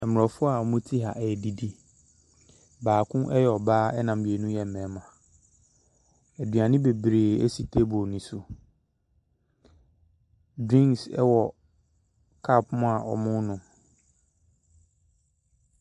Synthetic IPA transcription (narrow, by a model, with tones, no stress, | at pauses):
ɛ˨m˨ɔ˨fʊ˦a˨mʊ̃˦tʰi˦ɦa˨ʔɛ˨di˨di˦ | baː˨kʰʊ̃˦ʔɛ˦jɛ˨ɔ˨baː˦ɛ˦nã˨m˨bi˨e˨nũ˦jɛ˨m˨mɛ̃ː˨˦mã˨ | æ˨dɥã˨nɪ̃˦be˨bɾeː˨ḛ˦si˨tʰe˦bɔ˨nʊ̃˨˦su˨ | dɾĩ˦ŋsɛ̰˦wɔ˨ | kʰa˦˨pmʊ̃˦a˨ʔɔ̰˨mʊ̃˦nʊ̃˨